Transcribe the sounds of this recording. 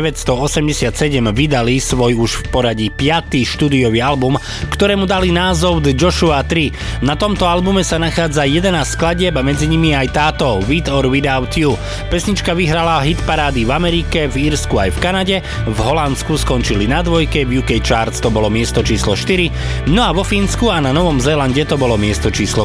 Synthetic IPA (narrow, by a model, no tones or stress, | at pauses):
ɛʋɛcst̪ɔɔsɛmɟɛsɪat̪sɛɟɛmʋid̪alisʋɔjuʃfpɔɾaɟipɪat̪iʃt̪uːd̪iɔʋiːalbum | kt̪ɔɾɛːmud̪alinaːzɔʊd̪d͡ʒɔʃuat̪ɾi | nat̪ɔmt̪ɔalbumɛsanaxaːd͡zajɛd̪ɛnaːssklaɟɛbamɛd͡ziɲimiajt̪aːt̪ɔʋit̪ɔɾʋid̪aʊt̪ju | pɛsɲit͡ʃkaʋiɦɾalaɦit̪paɾaːd̪ivamɛɾikɛviɾskuajfkanaɟɛ | vɦɔlant̪skuskɔnt͡ʃilinad̪ʋɔjkɛvjukɛjt͡ʃaːɾt͡st̪ɔbɔlɔmɪɛst̪ɔt͡ʃiːslɔʃt̪iɾi | nɔaʋɔfiːnskuananɔʋɔmzɛlanɟɛt̪ɔbɔlɔmɪɛst̪ɔt͡ʃiːslɔ